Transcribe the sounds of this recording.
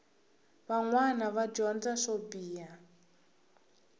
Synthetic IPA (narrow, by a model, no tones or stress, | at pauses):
βaŋwanaβad͡ʒɔnd͡zaʂobiːa